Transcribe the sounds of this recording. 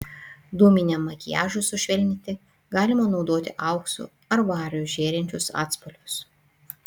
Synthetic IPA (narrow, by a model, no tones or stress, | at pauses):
d̪umʲɪnʲɛmːɐkʲɪjæ̰ːʒʊsʊʃʲʋʲɛlʲnʲɪt̪ʲɪ | ɡɑːlʲɪmɐnɒʊd̪oːt̪ʲɪʔɐʊksʊ̰ | ɐɾʋɑːɾʲjʊʒʲeːɾʲɛnʲt͡ʃʲʊsɑ̰ːt̪spɔlʲʊs